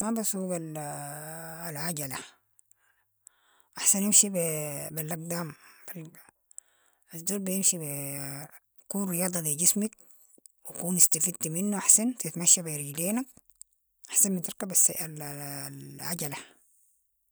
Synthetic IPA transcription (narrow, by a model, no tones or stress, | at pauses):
mabasubal | lʕaɟala | ʔaħsanjimʃibbelːaɡ̚d̪aːmb̥alb | azd̪oːɾbijimʃibe | kuːnɾijɑːd̪ˤɑd̪iɟismik̚ | wikuːnist̪afid̪̚t̪iminːuʔaħsant̪it̪maʃːabiɾiɡleːnak̚ | ʔaħsanbit̪ɪɾkabasallʕaɟala